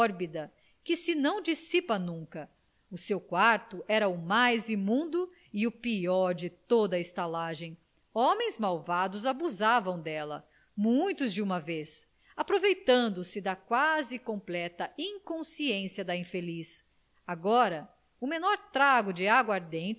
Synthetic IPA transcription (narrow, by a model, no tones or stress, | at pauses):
ɔɾbid̪ɐ | kɪsɪnɐ̃w̃d͡ʒisipɐnũkɐ | ʊsewkwaɾt̪ʊʔɛɾɐʊmajzimũnd̪ʊ | iʊpiɔɾd͡ʒɪt̪od̪ɐɪst̪alaʒẽj̃ | õmẽj̃zmawvad̪ʊzabuzavɐ̃w̃d̪ɛlɐ̰ | mũj̃t̪ʊzd͡ʒɪũmɐves | apɾovejt̪ɐ̃nd̪ʊsɪd̪ɐkwazɪkõplɛt̪ɐʔĩŋkõsiẽsiɐd̪ɐĩfelis | aɡɔɾɐ | ʊmenɔɾt̪ɾaɡʊd͡ʒɪaɡwaɾd̪ẽnt͡ʃɪ